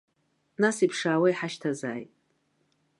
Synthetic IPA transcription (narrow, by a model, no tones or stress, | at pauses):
nasipʰʂaːwaiħaʃtʰaza̰ːjtʼ